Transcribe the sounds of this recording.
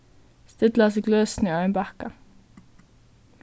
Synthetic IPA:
st̪ɪd̪lɑsiɡløːsn̩iːœʏnbɑkɑ

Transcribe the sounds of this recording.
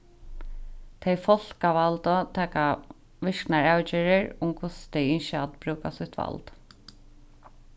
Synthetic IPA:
t̪ʰejfɔl̥kaʋalt̪ɔt̪ʰɛːka | ʋɪʂknaɹawt͡ʃɪːɹɪɹʊmkʰʊst̪ʰɛjɪnʃat̪bɾuːkast̪ʊht̪ʋa̰lt̪

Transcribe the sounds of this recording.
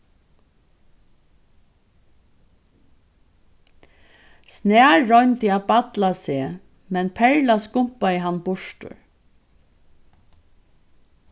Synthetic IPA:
snæːɹɔʏnt̪ɪabat̪laseː | mɛnpʰɛɹlaskʊmpaɪɦanbʊʂʈʊ̰ɹ

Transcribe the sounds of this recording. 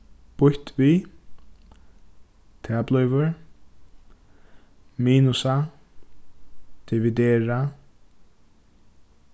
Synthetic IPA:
pʊht̪viː | t̪ʰɛːplœjvʏɹ | miːnusa | d̪̥ɪvid̪ɛːɹa

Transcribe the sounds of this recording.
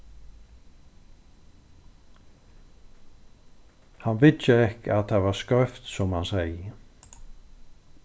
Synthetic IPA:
hanʋɪt̪əɛhkat̪avaɾskœft̪sɔmhansɛjə

